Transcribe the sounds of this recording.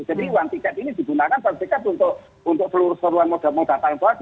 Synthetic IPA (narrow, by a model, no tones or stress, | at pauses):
d͡ʒ̥a̤diwaŋt̪ikɛt̪inid̪̥i̤bunt̪akansat̪ikɛt̪unt̪ʊʔ | unt̪ʊk̚səluɾʊskəɾuanmod̥a̤mɔŋb̥a̤p̪alnt̪ɔa